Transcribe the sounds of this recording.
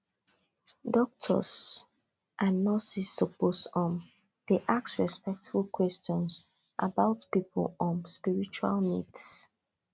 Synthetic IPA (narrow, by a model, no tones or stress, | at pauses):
dɔk̚tʰɔ̰s | ʔãnːɔsisɔposɔ̃n | d̥eʔaksɹɛspɛk̚tfukʰwɛstɔ̃ns | ʔa̰baʊtpipʰə̰lɔ̃nspiɹit͡ʃua̰lmḭds